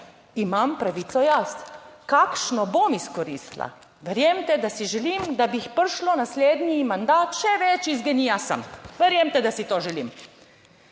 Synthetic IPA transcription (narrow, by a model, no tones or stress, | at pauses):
imampɾaʋiːt̪sɔjaskakʃnɔbomiskɔɾḭːst̪la̰ | ʋɛɾjemt̪ɛd̪asiʒɛliːmd̪abixpəɾʃlɔnasleːd̪nʲimand̪aːt̪ʃɛʋɛt͡ʃizɡɛniasə̰mʋɛɾjemt̪ɛd̪asit̪oːʒɛlḭm